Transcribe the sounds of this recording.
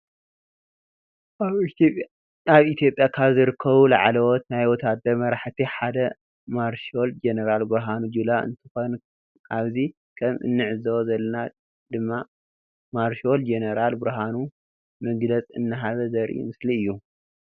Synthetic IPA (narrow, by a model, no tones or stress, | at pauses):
ʔaβipʼ | aβit̪ʰjopʼjakʰaβzɨɾɨkʰːɐβula̰ʕalɐwɔt̪najwɔt̪ʰad̪ɐɾmɐɾaħt̪ʰiħad̪ɐ | maɾʃo̞ld͡ʒeneɾalbɨɾɦanud͡ʒulaʔɨ̰nt̪ʰɨxon | aβzi | kʰɐmʔɨ̰nːɨʕɨzɐwɔzɐlːɐna | d̪̥ɨmːa | maɾʃold͡ʒeneɾalbɨɾɦanu | mɐɡlɐt͡sʼɨ̰nːɨɦaβɐzɐɾʔḭmɨsliɨjːu